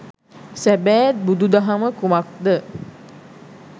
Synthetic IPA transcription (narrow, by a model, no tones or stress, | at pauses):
sæbæːt̪̚bud̪ud̪aɦaməkumak̚d̪ə